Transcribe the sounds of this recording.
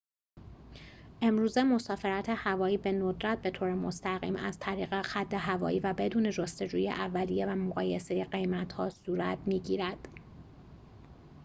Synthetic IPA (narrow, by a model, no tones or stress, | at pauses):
ʔe̞mɾuːze̞mo̞sɒːfe̞ɾæt̪ʰehævɒːiːbe̞nod̪ɾæt̪̚be̞t̪ʰoːɾemo̞st̪æɣḭːmʔæz̥t̪ʰæɾiːɣexæd̪ːe̞ɦævɒ̰ːjiːvæbe̞d̪uːne̞d͡ʒost̪e̞d͡ʒuːjḛʔævːælijevæmoɣɒːjese̞jeɢe̞jmæt̪hɒːsuːɾæt̪ʰmiːɟiːɾæd̪̥